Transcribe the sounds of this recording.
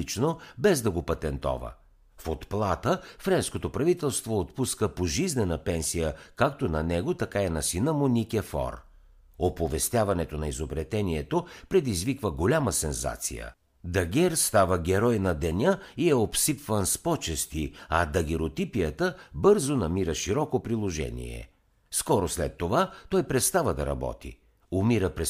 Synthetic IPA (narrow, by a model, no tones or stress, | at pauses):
it͡ʃnobɛzd̪ɐɡopɐt̪ɛnt̪ɔ̰və̰ | fot̪plˠat̪əfɾɛnskot̪opɾɐvit̪ɛlˠst̪voːt̪puskəpoʒiznɛnəpɛnsijəkakt̪onɐnɛɡot̪ɐkainɐsinəmʊnʲikʲɛfɔ̰ɾ | opovɛst̪ʲjavɐnɛt̪onɐizobɾɛt̪ɛniɛt̪opɾɛd̪izvikvəɡolʲaməsɛnza̰t̪sḭjə̰ | d̪ɐɡʲɛɾst̪avəɡʲɛɾɔjnɐd̪ɛnʲəiɛopsipvənspɔt͡ʃɛst̪iɐd̪ɐɡʲɛɾot̪ipijət̪əbɤɾzonɐmiɾəʃiɾɔkopɾilˠoʒɛ̰nḭɛ̰ | skɔɾoslɛt̪ːovat̪ɔjpɾɛt̪st̪avəd̪ɐɾɐ̰bɔ̰t̪ḭ | ʊmiɾəpɾɛ